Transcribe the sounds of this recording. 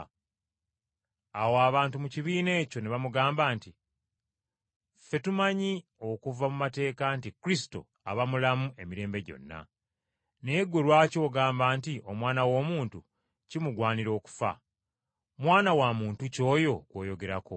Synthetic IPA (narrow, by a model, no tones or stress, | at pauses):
awoaβaːntumuciβiːne̞ːco̞neβamuɡaːmbaːnti | fe̞tumaɲio̞kuvamumate̞ːkantikuɾisto̞̰ | a̰βamulamue̞miɾe̞ːmbe̞ɟo̞̰nːa̰ | ne̞ːɡwelwaːco̞ːɡaːmbaːntiʔo̞mwaːnawo̞ːmuːntu | cimuɡwaːniɾo̞ːku̥fa̰ | mwaːnawamuːntuco̞ːjo̞ɡwo̞̰ːjo̞ɡe̞ɾako